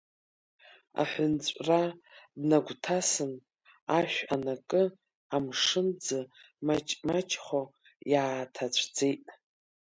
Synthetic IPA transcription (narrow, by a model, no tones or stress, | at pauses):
a̰ħʷʊnt͡ɕʷʼradnaɡʷtʰasɨn | aʃʷᶣanakʼɨ | amʂɨnd͡zɨ | mat͡ʃʼmat͡ʃʰʼχo | jaːtʰat͡ɕʷʰd͡zejtʼ